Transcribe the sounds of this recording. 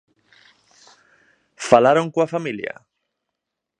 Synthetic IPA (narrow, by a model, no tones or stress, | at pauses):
falaɾoŋkwafamilja̰